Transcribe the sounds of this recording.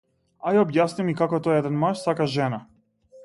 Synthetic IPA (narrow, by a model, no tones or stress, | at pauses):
ajaɔbjasnimikakɔt̪ɔjɛɛd̪ɛnmaʃsakaʒɛna